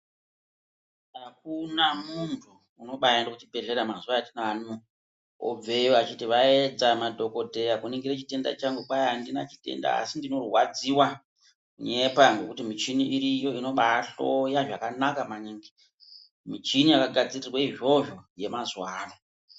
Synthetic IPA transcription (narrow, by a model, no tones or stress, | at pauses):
akunamuntʰuːno̞ɓajendokut͡ʃibʱe̞ɮe̞ɾamazuwaatinanu | o̰b͡ve̞joat͡ʃitiʋaed͡zamadʱo̞ko̞dʱe̞jakuniŋɡiɾet͡ʃite̞nda̰t͡ʃaŋɡukwajandina̰t͡ʃi̥te̞̰nda̰a̰sindino̞rwad͡ziwa | kuɲe̞paŋɡe̞kutimit͡ʃiniʔːɾijo̞ino̞ɓaɬo̞jaʐakanakamaɲiŋɡi̥ | mit͡ʃinijakaɡʱad͡zirirwaiʐo̞ʐoje̞mazwaːro